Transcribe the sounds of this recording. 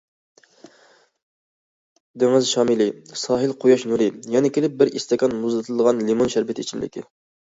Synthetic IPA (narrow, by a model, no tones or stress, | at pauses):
d̪eŋɪzʃɑːmɪlɪsɑːɦɨlqʰojɑʃnuɾɪjɛnɛkʲʰelɪp̚bɪɾḭst̪ɛkʲɑnmuzlɨt̪ʰɨlˠɨd̪əʁɑnlimonʃæɾvɪt̪ʰit͡ʃʰimlʔɪ̰kʲʰḭ